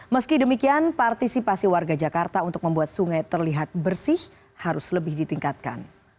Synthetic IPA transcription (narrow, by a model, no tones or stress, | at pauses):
məskidəmikianpart̪isipasiwarɡad͡ʒakart̪aunt̪ʊk̚məmbuat̪̚suŋajt̪ərliɦat̪̚bərsɪh | haɾʊsləbɪhdit̪iŋkat̪̚ka̰n